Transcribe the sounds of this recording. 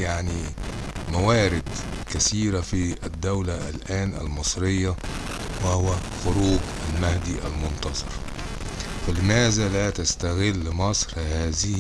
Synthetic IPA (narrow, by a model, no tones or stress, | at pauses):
jaʕni | mawaːɾɪd̪kasiːɾafiɪd̪ːawlaʔlʔaːnʔa̰lmɨsˤɾɪjːa | wahʊwæxʊɾuːɡʔalmahd̪iʔa̰lmʊnt̪ɑzˤɑ̰ɾˤ | falɪmæːzalat̪ast̪aɣɪlːɪmɑsˤɾhaːzɪh